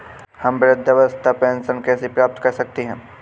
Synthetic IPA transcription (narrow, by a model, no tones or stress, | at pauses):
hɐmʋɾɪd̪ʱːəʋəst̪ʰapɛ̃ːnsənkɛːsepɾaːp̚t̪kɐɾsɐk̚t̪eɦɛ̃ː